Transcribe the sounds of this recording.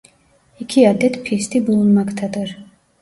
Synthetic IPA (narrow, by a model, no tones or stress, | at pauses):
ikʰiad̪ɛt̪pʰist̪ʰibulunmakt̪ʰad̪əɾ